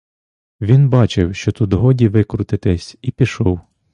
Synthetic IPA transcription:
ʋʲinbɑt͡ʃɪwʃt͡ʃɔt̪ud̪ɦɔdʲiʋɪkɾʊt̪ɪt̪ɛsʲipʲiʃɔw

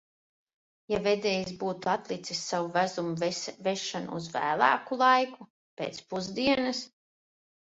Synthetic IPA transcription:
javed̪ɛːjisbuːt̪uat̪lˠit̪sisːawuvæzumuvɛʃanṵːzvæ̰ːlˠa̰ːkulˠajku | peːt̪spuzd̪iɛnas

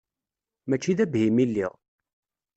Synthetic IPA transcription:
mæt͡ʃːiðæbhimilːḭʁ

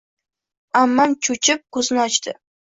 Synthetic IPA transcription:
amːamt͡ʃʰʊt͡ʃʰɪp̚kʰɵznɪɒt͡ʃt̪ɪ

